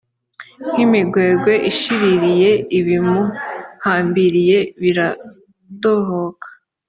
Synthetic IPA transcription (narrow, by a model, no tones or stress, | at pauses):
ŋ̥imiɡwe̞ːɡwe̞ʔiʃiɾiɾije̞iβimuhaːmbiɾije̞βiɾa | toɦokḁ